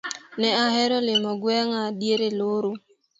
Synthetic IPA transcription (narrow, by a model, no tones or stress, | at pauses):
nɛaɦɛɾɔlɪmɔɡwɛŋadjeɾeloɾo